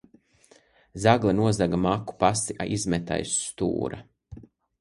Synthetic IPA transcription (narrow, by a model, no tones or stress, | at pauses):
zaɡlˠinuɔzaɡamaku̥pasiʔaʔizmɛt̪a̰jst̪ṵːɾa